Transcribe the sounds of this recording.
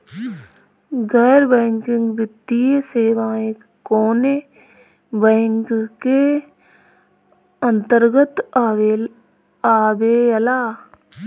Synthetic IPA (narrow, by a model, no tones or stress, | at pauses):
ɡɛːɾbɛ̃ːŋkɪ̃ŋɡʋɪt̪ːieseːʋaːekːoːne | bɛːŋkke | ə̃nt̪əɾɡət̪ | aːbeəlaː